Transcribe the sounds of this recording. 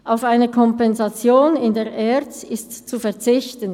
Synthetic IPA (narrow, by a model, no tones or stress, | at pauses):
ʔaʊfaɪnəkʰɔmpɛnzat͡sjoːnɪndeːɐʔɛʁt͡sɪstt͡sufɛɐt͡sɪçtən